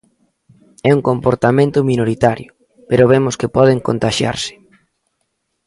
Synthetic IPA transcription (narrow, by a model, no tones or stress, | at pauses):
ɛuŋkompoɾt̪amẽnt̪ʊminoɾit̪aɾjʊ | peɾʊβemʊskɪpɔðɪŋkont̪aʃja̰ɾsɪ̥